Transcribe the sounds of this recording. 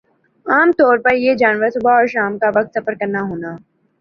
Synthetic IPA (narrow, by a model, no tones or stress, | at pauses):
aːmt̪ɔːɾpɐɾjed͡ʒaːnʋəɾsʊbʱaɔːɾʃaːmkaʋɐk̚t̪sɐfəɾkɐɾnaɦoːnaː